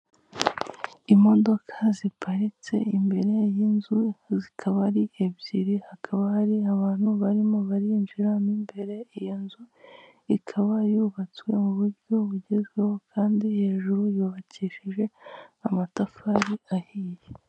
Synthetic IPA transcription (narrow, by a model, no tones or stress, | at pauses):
imo̞do̞kʰazipʰaɾit͡se̞̰imbe̞ɾe̞jinzuzikʰaβaɾiʔebɟiɾihakʰaβahaɾiaβaːn̥huβaɾimoβaɾinʒiɾanimbe̞ɾe̞ijinzu | ikʰaβajuβat͡swe̞muβuɾɟo̞βuɟezɡwe̞ho̞kʰaːndihe̞ːʒuɾujuːβaciʃiʒe̞amatafaɾiahiːje